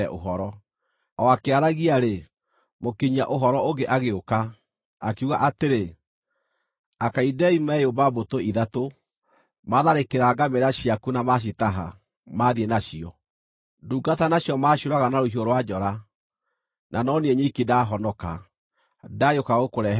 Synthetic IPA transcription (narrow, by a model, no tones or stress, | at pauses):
ɛʔo̰ɦɔɾɔ | ɔakeaɾaɣiaɾe | mokiɲaʔoɦɔɾɔoɡeʔaɣeoka | akuɣaʔateɾe | akaidɛimaɛjobabotoiðato | maðaɾekeɾaːɡameɾaɕiakunamaɕ̬itaɦa̰ | maːðienaɕiɔ | duːɡatanaɕjɔmaɕoɾaɣanaɾoɦioɾwad͡ʒɔɾa | nʔanɔniɛɲikidaɦɔnɔka̰ | dajokaɣokoɾɛ